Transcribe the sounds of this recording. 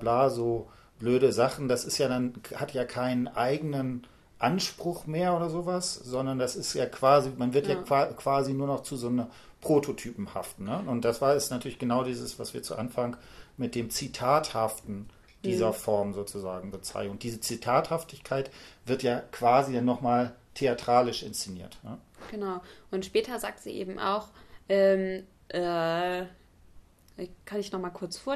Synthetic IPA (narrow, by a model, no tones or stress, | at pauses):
blaːzoː | b̥løːɾəzaχn̩dasɪstjaːdanhatjaːkʰaɪnənʔaɪɡənən | ʔanʃpʁ̥ʊχmeːɐʔoːɾɐzoːvaszɔndɐndasɪstjaːkv̥aːzimanvɪɐtjaːkvakv̥aːzinuːɐnɔχt͡suzoːnɐ | pʁ̥oːtʰotʰyːpm̩ha̰ftn̩nəʊnt̚d̥asv̥aːɐɛstnatʰyɐlɪçɡ̥ənaʊdiːzəsv̥asv̥iːɐt͡sṵʔanfaŋkmɪt̚d̥eːmt͡sitʰaːthaftn̩ | d̥iːzɐfɔɐmzoːt͡suzaːɡŋ̩bət͡sa̰ɪŋ̩ʊntd̥iːzət͡sitʰaːthaftɪçkʰaɪtv̥ɪɐtjaːkv̥aːzidanːɔχmaːltʰeatʁ̥aːlɪʃʔɪ̰nst͡seniːɐtnəɡ̥ənaʊʔʊntʃpɛːtɐza̰ːk̚tz̥ḭːʔḛːbm̩ʔa̰ʊxʔɛːm | ʔɛ | kʰanɪçnɔχmaːlkʰʊɐt͡sfoːɐ